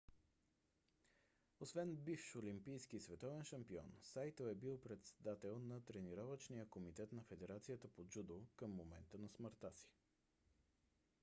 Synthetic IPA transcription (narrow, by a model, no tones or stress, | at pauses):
osvɛnbifʃolimpijskisvɛt̪ɔvɛnʃɐmpiɔ̰nsajt̪əɛbilˠpɾɛt̪sɛd̪at̪ɛlˠnɐt̪ɾɛniɾɔvət͡ʃnijəkomit̪ɛt̪nɐfɛd̪ɛɾat̪sijət̪əpod͡ʒud̪okəmːomɛnt̪ənɐsməɾt̪asi̥